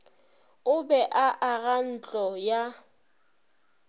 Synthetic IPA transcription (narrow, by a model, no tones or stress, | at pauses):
ʊbɛʔaʔaɣan̩t͡ɬʼɔja